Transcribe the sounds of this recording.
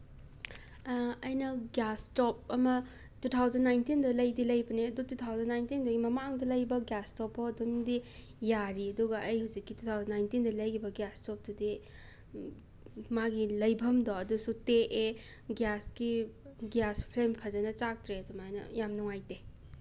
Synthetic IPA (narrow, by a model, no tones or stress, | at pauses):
ɐjnɐɡjastɔp̚ɐmɐ | tutʰawzɐnːajntindɐlɐjdilɐjbɐniɐdututʰawzɐnːajntindɐɡimɐmaŋdɐlɐjbɐɡjastɔpʰːɔɐdumdi | jaɾiɐduɡɐʔɐjhuzikːitutʰawzɐnːajntindɐlɐjɡibɐɡjastɔp̚dudi | maɡilɐjbʱɐmdɔɐdusuteʔe | ɡjaski | ɡjaspʰlempʰazɐnɐt͡ʃak̚tɾeɐdumajnɐ̰jamnɔŋajte